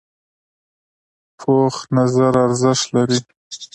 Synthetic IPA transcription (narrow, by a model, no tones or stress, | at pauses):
pʰoxnazaɾaɾzɪʃt̪laɾi